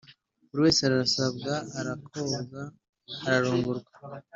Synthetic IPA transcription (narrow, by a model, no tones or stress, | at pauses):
uɾiwe̞ːseaɾaɾasab̚ɡaːɾakʰozaː | ɾaɾuːŋɡuɾɡḁ